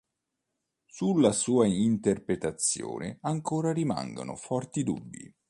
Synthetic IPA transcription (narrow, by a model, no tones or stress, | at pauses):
sulːasuːaint̪erpɾet̪at̪sːjo̰ːnɪ̰aŋkoːɾaɾima̰ŋɡo̰nʊ̰fɔrt̪id̪ṵbːḭ